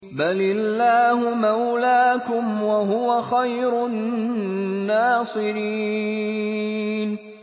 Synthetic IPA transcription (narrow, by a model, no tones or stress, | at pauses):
balɪlːaːhʊmawlaːkʊmwaɦʊwaxajɾʊ | aːsˤɨɾiː | n